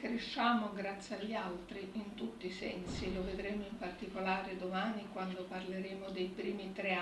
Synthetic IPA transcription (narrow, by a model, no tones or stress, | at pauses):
kɾeʃːaːmoɡɾat̪sːiaʎːialt̪ɾiint̪ut̪ːisɛnsiloved̪ɾeːmoimpart̪ikolaːɾed̪omaːnikwand̪oparleɾeːmod̪ejpɾiːmit̪ɾe